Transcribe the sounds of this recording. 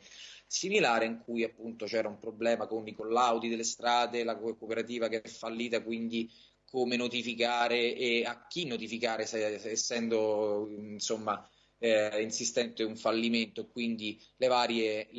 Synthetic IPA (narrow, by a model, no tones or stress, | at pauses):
similaːɾeiŋkʰujapːunt̪ot͡ʃɛːɾaumpɾoblɛːmakonikolːawd̪id̪elːest̪ɾaːd̪elakkopeɾat̪iːvak̟eɛfːalːiːt̪akwind̪i | kʰomenot̪ifikaːɾeeak̟ːinːot̪ifikaːɾesɛesːɛnd̪oinsomːa | insist̪ɛnt̪euɱfalːiment̪oekːwind̪i | levaːɾje